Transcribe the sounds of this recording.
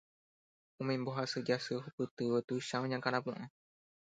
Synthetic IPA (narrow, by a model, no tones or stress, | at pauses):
ũmẽmboɦasɨd͡ʒasɨɦupɨt̪ɨʋet̪uʃãõɲãkãɾ̃ãp̬ũʔã